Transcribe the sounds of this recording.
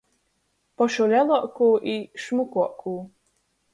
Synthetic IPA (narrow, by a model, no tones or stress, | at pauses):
pɔʃulʲɛlˠuɔkuːʔiʃmukuɔkʰuː